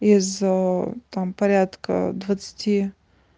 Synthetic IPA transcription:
iz | t̪ampɐɾʲat̪kʰə̰d̪vɐt̪sɨ̥tʲʰi

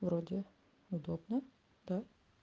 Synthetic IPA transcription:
vɾod̪ʲɪ | ʊd̪obnə | d̪̥a

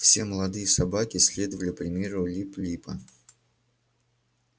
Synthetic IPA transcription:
fsʲeməlˠɐd̪ɨjəsɐbakʲɪsʲlʲe̞d̪əvəlʲɪpɾʲɪmʲe̞ɾʊlʲiplʲipə̰

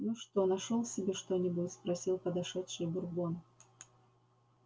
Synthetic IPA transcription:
nʊʂt̪onɐʂolˠsʲɪbʲeʂt̪onʲɪbʊtʲspɾɐsʲilˠpəd̪ɐʂɛt̪ʂɨjbʊrbon

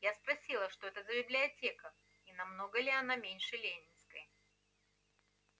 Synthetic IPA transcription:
jaspɾɐsʲilˠəʂt̪o̞ɛt̪əzəbʲɪblʲɪɐtʲe̞kə | inɐmno̞ɡəlʲɪɐnamʲenʲʂɨlʲenʲɪnskəjə

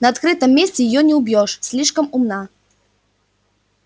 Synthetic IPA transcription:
nɐɐt̪kɾɨt̪ɐmːʲesʲtʲɪjɪjɔnʲɪʊbʲjɔʂsʲlʲiʂkəmʊmna

